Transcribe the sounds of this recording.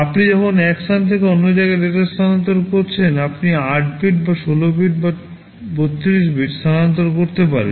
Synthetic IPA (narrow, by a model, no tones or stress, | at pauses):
apnid͡ʑɔkʰonɛksant̪ʰekeonːod͡ʑajɡaɾeʈast̪ʰanant̪oɾkoɾt͡ɕʰenapniaʈbiʈ̚baʃolobiʈ̚ba | bot̪ːiɾiʃ̬biʈst̪ʰanant̪̬oɾkoɾt̪epaɾḛn